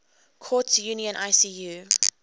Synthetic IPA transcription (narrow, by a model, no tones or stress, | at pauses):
kʰɔtjuniə̃nʔaɪsiju